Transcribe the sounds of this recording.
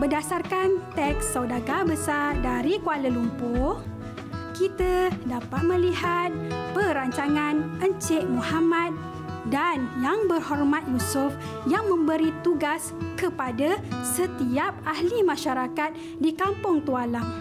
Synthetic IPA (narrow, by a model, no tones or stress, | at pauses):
bədasarkant̪ɛksːawdaɡabəsardaɾikualəlumpʊ | kit̪adapat̪̚mə̃liɦat̪̚pəɾaɲt͡ʃaŋãnəɲt͡ʃɪʔmũhamãt̪̚ | danjaŋbərhɔrmat̪̚jusʊf | jaŋmə̃mbəɾit̪uɡaskəpadasət̪iap̚ahlimãʃaɾakat̪̚ | dikampʊŋt̪ualam